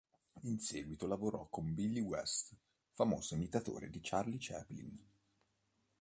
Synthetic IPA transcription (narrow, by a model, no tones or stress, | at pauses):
inseːɡwit̪olavoɾɔkːombilːiwɛst̪ | famo̰ːz̥oimit̪at̪o̰ːɾḛd̪it͡ʃarlit͡ʃɛplḭn